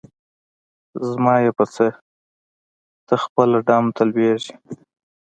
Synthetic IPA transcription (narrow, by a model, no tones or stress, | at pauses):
zmɑjepət͡se | t̪əxpəlaɖɑmt̪alweʒi